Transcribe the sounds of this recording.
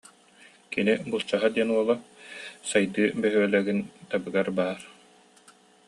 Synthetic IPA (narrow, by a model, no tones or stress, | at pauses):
kinibulˠt͡ɕaɦad̪iɛnuɔlˠasajd̪ɯːbɛɦyɛlɛɡint̪abɯɡaɾbaːɾ